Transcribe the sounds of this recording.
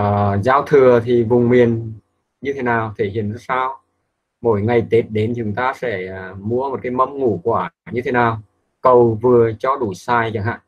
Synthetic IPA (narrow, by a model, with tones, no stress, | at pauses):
zaː˨˦wt̪ʰɨ˨˩ət̪ʰi˨˩vʊ˨˩ŋ͡mmi˨˩ən | ɲɨ˧t̪ʰe˨˦naː˨˩wt̪ʰe˧˩hḭ˧˩ənzɔ˧˦saː˧w | mo̰˧˩jŋa˨˩jt̪e˨˦˥t̚ɗe˨˦nt͡ɕʊ˨˦ŋt̪aː˧sɛ˧˩˨mu˨˧˥əmo˨˩t̚kaː˨˦jmə˧˥mŋu˧˩kwaː˧˩ɲɨ˧t̪ʰe˨˦naː˨˩w | kə˨˩wvɨ˨˩ət͡ɕɔ˧˦ɗu˧˩saː˧jt͡ɕa˧˩ŋha̰ː˧˨